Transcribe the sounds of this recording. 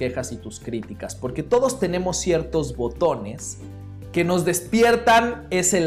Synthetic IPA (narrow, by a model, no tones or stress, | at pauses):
e̞xasit̪uskɾit̪ikaspo̞ɾke̞t̪o̞ðo̞st̪e̞ne̞mo̞sːje̞ɾt̪o̞zβo̞t̪o̞ne̞s | ke̞no̞zðe̞spje̞ɾt̪ane̞se̞l